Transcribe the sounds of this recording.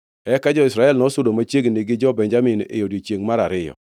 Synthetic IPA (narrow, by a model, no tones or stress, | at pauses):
ɛkad͡ʒɔɪsɾaɛlnɔsʊdomat͡ʃeɡniɡɪd͡ʒɔbɛɲd͡ʒamɪnḛjodit͡ʃjeŋmaɾaɾɪjɔ̰